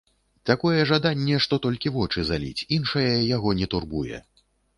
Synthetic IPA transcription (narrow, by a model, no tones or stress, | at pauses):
t̪akɔjɛʐad̪anʲːɛʂt̪ɔt̪ɔlʲkʲivɔt͡ʂɨzalʲḭt͡sʲinʂɐjɐjaɣɔnʲɛt̪urbujɛ̰